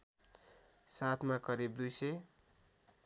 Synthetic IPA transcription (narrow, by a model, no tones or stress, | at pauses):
sat̪ʰmakʌɾibd̪ujsʌj